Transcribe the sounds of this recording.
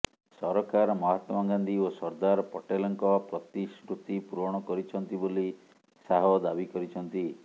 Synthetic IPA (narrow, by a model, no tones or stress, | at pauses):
sɔɾɔkʰaɾmɔɦat̪mɔɡand̪iosɔɾd̪aɾɔpɔʈelɔŋkɔpɾɔt̪isɾut̪ipuɾɔɽ̃ɔkɔɾit͡ʃʰɔnt̪iboli | saɦɔd̪abikɔɾit͡ʃʰɔnt̪i